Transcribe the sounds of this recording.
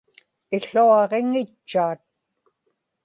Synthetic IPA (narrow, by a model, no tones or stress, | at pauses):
ɪɬuɑʁeŋɪt͡ʃːaːt̪̚